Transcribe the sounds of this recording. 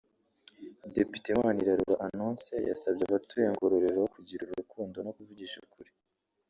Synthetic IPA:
depi̥temaniɾaɾuɾaʔanoːnseja̰sab̚ɟaβatujeŋɡo̞ɾoɾe̞ɾojokuɟiɾuɾuɾukʰuːndo̞no̞kuvuɟiːʃukʰuɾe̥

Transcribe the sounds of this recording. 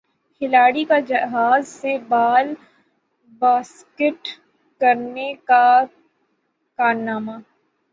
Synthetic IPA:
kʰɪlaːɽikad͡ʒɐɦaːzsebaːl | baːs | kɪʈ | kɐɾneka | kaːɾnaːmaː

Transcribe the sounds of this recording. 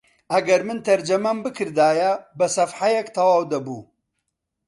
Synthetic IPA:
ɐɡɐɾmɨnt̪ʰɐɾd͡ʒɐmɐmbɨkʰɨɾd̪aːjɐbɐsɐfħajɛkt̪ʰɐwaːwd̪ɐbuː

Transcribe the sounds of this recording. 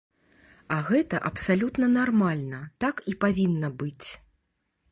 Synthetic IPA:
ɐɣɛt̪ɐʔɐpsalʲut̪nɐnarmalʲnɐt̪akipavʲinːɐbɨt͡sʲ

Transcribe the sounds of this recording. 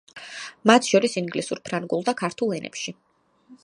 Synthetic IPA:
mat̪ʰʃɔɾisiŋɡlisuɾpʰɾaŋɡulˠd̪akʰaɾt̪ʰulˠɛnʔɛ̰pʃi

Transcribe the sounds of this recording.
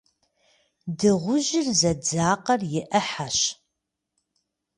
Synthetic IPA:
dɨʁʷʊʒɪrzɐd͡zaːqɐrjɪʔɐħaʃ

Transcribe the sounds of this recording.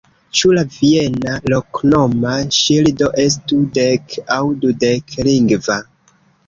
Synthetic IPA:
t͡ʃulavienaloknomaʃildo̞ʔe̞s̬tudekawdudekliŋɡva

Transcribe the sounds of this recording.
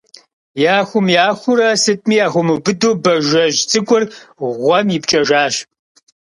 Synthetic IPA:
jaːxʷʊmjaːxʷʊɾɐsɨtʼmiːjaːxʷʊmubɨdoːbɐʒɐʒt͡sʼɨkʷʼʊrʁʷɔmjɪpt͡ʃʼɐʒaːɕ

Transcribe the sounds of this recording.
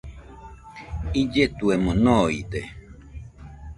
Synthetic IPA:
id͡ʒet̪uemonoḭd̪e

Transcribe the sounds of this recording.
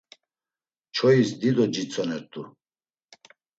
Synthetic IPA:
t͡ʃʰɔisd̪id̪ɔd͡ʒit͡sʼɔnɛɾt̪ʼu

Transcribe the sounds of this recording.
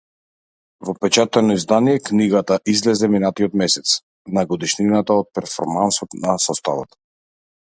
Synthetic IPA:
vɔpɛt͡ʃat̪ɛnɔizd̪anijɛkniɡat̪aʔizlɛzɛminat̪iɔt̪mɛsɛt̪s | naɡɔd̪iʃninat̪aɔt̪̚pɛɾfɔ̰ɾmansɔt̪nasɔst̪a̰va̰t̪

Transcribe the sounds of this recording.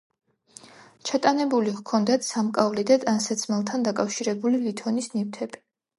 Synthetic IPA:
t͡ʃʰat̪ʼanɛbuliʁkʰɔnd̪at̪ʰsamkʼavlid̪ad̪ʼansat̪sʰmɛlˠt̪ʰand̪akʼafʃiɾɛbulilit̪ʰɔnisnift̪ʰɛbi̥

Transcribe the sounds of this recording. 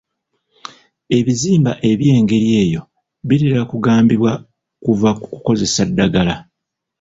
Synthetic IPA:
e̞βiziːmbaʔe̞βje̞ːŋɡe̞ɾije̞ːjo̞ | βiɾeɾakuɡaːmbiβwa | kuvakukuko̞ze̞sadːaɡala

